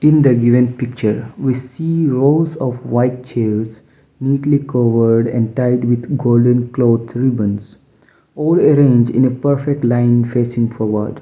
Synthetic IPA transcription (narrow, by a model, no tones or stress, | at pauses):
ɪ̃nd̪əɡɪʋə̃npɪk̚t͡ʃəɾʋisiːɾoːzɔfʋaɪʈ̚t͡ʃeːɾz | niːʈlikʌʋəɾɖɛ̰̃ɳɖʈaɪɖʋɪd̪ɡoːlɖə̃nkloːd̪sɾɪbə̃ns | ɔːləɾẽːnd͡ʒɪ̰̃nepəɾfek̚ʈlãɪ̃nfeːsɪ̃ŋfɔːɾʋə̰ɾɖ